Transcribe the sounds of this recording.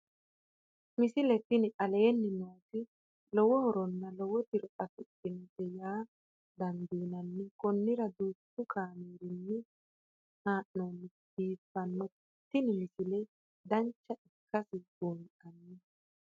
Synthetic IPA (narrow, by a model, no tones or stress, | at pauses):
mɪsɪlɛt̪ːɪnɪʔɐleːnːɪnoːt̪ɪ | lɔwɔhɔɾɔnːɐlɔwɔt̪ɪɾɔʔʼɐt̪ʊtʼːɪnt̪ɛjaː | d̪ɐnd̪iːnɐnːɪkɔnːɪɾɐd̪uːt̪ːʊkʰaːmiːɾɪnːɪ | haːʔnoːnːɪ | diːfːɐnːɔ | t̪ːɪnɪmɪsɪlɛ | d̪ɐnt͡ʃːɐʔɪkʰːɐsɪɡoŋʔɐnːɪ